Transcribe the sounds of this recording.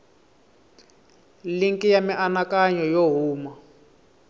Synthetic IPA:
liŋkʼijamiʔanakaɲɔjoɦuːma

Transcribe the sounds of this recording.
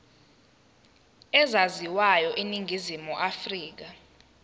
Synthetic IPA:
ɛzaziwajɔʔeniŋʱizimuʔafriːk̬a

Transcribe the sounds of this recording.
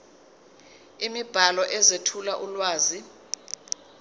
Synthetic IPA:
imib̥ʱalɔʔɛzetʰulaʔulwaːzi

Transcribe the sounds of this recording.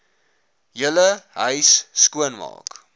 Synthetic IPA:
jələɦəɥsːkuənmɑ̰ːk

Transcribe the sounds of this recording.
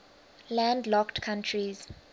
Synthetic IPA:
lãndlɔktkʰãntʰɹiz̥

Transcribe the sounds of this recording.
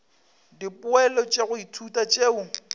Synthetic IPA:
dipʼʊɛlɔt͡ʃʼeɣʊitʰutʼat͡ʃʼeːʊ

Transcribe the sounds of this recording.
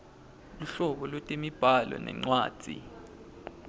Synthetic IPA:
luɬɔɓɔlotʼimib̥ʱalɔ̰nɛ̰ŋ͡ǀwaːd̥ʱḭ

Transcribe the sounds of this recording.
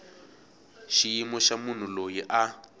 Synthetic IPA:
ʃijimɔʃamun̤ulojiʔa

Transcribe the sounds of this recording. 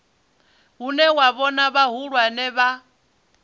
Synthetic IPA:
ɦunɛwaβɔnaβaɦuɺwanɛβa

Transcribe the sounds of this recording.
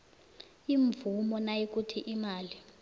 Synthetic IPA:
iɱvumɔnajik̬ʼutʰiʔimaːli

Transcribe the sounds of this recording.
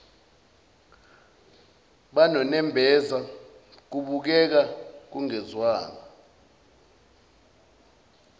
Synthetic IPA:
ɓanɔnɛmbʱɛza | k̬uɓuk̬ɛk̬ak̬uŋɛzwaːŋa

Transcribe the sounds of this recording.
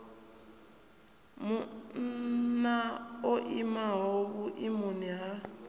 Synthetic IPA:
munnaoʔimaɦoβuʔimuniɦa

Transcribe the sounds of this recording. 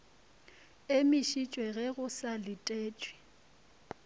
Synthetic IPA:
emɪʃit͡ʃʼwɛɣɛɣʊsalɪtʼeːt͡ʃʼwi̥

